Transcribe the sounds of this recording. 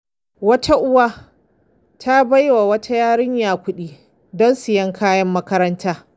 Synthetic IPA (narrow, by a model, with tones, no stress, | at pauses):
wɐ˦tʰa˦ʔʊ˦waː˦ | tʰa˦ba˦jwa˨wɐ˦tʰa˦jaː˦ɽɪ˦ɲjaː˨kʷʊ˦ɗiː˦ | dɔ˦nsɪ˨jɐ˦ŋkʰaː˦jɐ˦mːɐ˦kɐ˦ɾɐ˦ntaː˦